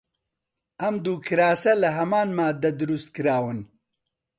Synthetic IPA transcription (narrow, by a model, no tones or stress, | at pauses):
ɐmd̪uːkʰɨɾaːsɐlɐɦɐmaːnmaːd̪ɐd̪ɨɾust̪̚kɨɾaːwɨn